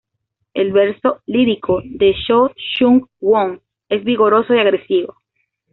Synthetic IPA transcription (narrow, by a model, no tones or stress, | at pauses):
elβe̞ɾsoliɾikʰoðeʃoʃuŋɡwoŋ | e̞zβiɣo̞ɾo̞soiaɣɾe̞siβo